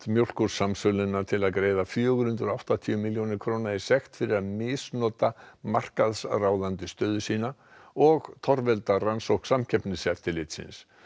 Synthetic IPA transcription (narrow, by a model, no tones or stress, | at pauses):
t̪mjowl̥kʏɾ̥samsœlɪnːat̪ʰɪlaðkɾeːjðafjœːɣʏɾhʏnt̪ɾɔawht̪at̪ʰiʏmɪljownɪ̥kʰɾownaɪsɛxt̪fɪɾɪɾaðmɪsnɔːt̪amar̥kaðsraːwðant̪ʏst̪œːðʏsiːna | ɔɣt̪ʰɔɾvɛlt̪aransowhksamcʰɛpnɪsɛft̪ɪlɪt̪sɪ̰ns